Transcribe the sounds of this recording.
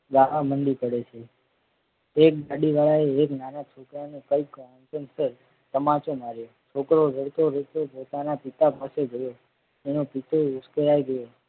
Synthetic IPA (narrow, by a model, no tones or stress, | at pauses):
ɡaʋaməɳɖipəɽet͡ʃʰe | ek̚ɡaɖiʋaɭaeːknanat͡ʃʰokɾanũkəikãntənsəɾ | t̪əmãt͡ʃomaɾjo | t͡ʃʰokɾod͡ʒʱəɽt̪oɾət̪opot̪anapɪt̪apaseɡʱəjo | enopit̪ʰoʊskəɾajɡəjo